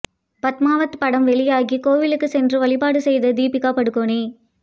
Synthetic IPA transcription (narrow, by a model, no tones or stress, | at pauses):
pɐt̪maːʋɐt̪ːpɐɽɐmʋɛɭɪjaːɣikoːʋɪlɯkːɯsɛndrɯʋɐɭɪpaːɽɯsɛjðɐd̪iːpɪkːaːpɐɽɯkːoːɳeː